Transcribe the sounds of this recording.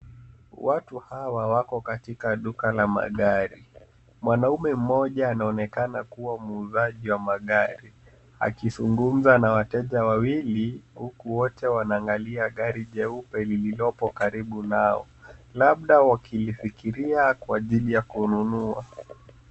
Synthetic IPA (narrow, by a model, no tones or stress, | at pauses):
watuhawawakɔkatikaɗukalama̰ɠaɾi | mwanaumɛm̩mɔʄaːnaɔnɛkanakuwamːzaʄiwamaɠaɾi | a̰kizuŋɡum̩zanawatɛʄawawilihukuwɔtɛwanaːŋɡaliaɠaɾiʄɛupɛlililɔpɔkaɾiɓunaɔ̰ | laɓ̚ɗawakʰilifikiɾiakwaʄilijakununua̰